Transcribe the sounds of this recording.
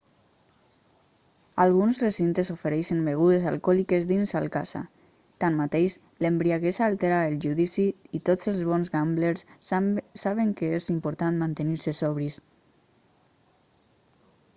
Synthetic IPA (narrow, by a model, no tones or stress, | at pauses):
alɣunzresint̪ezofeɾɛʃənbeɣ̞uðezalˠkɔlikezðinzalˠkaz̥a̰ | t̪anmat̪eʃ | lembɾiaɣesaːlˠt̪eɾaelˠʒuðisiːt̪ozəlˠzβɔnzɣambleɾs | saβ̞eŋkeezimpuɾt̪anmant̪eniɾsesɔβɾis